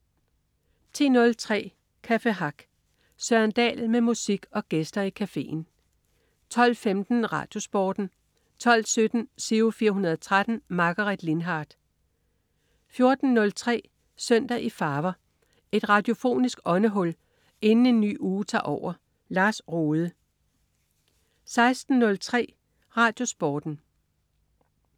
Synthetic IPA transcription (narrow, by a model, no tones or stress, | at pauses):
t͡sʰe̝̰ːnɔ̽lt͡sʰʁɛ̰ː | kʰæfeɦɑ̈ɡ̥ | sɶɐnd̥ɛ̰ːlmemusiɡ̥ɒ̽ɡ̥esd̥ɐikʰæfe̝̰ːn̩ | t͡sʰɒ̽l̰femd̥n̩ʁɑ̰̈ːd̥jo̝sb̥ɒːd̥n̩ | t͡sʰɒ̽l̰sød̥n̩siʊfiːɐɦunɐð̞̩ˠɒt͡sʰʁad̥n̩mɑ̈ɡ̥ɐʁid̥lenɦɑ̈ːd̥ | fjo̝ɐd̥n̩ːɔ̽lt͡sʰʁɛ̰ː | søn̰d̥æʔifɑ̈ːʋɐ | e̝d̥ʁɑ̈d̥jo̝fo̝̰ːnisɡ̥ɒ̽nəɦɔ̽l̰ | e̝nn̩e̝nːy̰ːuːt͡sʰɑ̰̈ːʔɒʊ̰ɐ | lɑ̈ːsʁoːðˠə | sɑ̈ɪsd̥n̩ːɔ̽lt͡sʰʁɛ̰ː | ʁɑ̈d̥jo̝sb̥ɒːd̥n̩